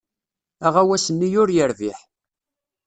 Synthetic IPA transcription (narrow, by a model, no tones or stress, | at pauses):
æʁæwæsənːijʊɾjəɾviħ